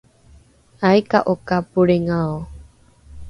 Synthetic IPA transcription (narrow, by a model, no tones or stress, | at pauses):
ʔajkaʔokapuɾeŋao